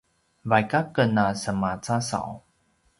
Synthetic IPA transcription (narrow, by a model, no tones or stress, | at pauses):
vajkakənasəmat͡sasa̰w